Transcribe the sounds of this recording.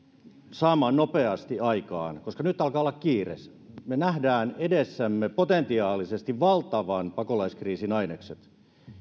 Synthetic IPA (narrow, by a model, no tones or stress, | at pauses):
sɑːmːˑɑːnnopeɑst̪iɑikɑ̰ːnkoskɑnyt̪ːˑɑlkɑːolːɑkkiːrḛs | menæhdæːnedesːæmːepot̪ent̪iɑːlisest̪iʋʋɑlt̪ɑʋɑnpɑkolɑiskriːsinɑinekset̪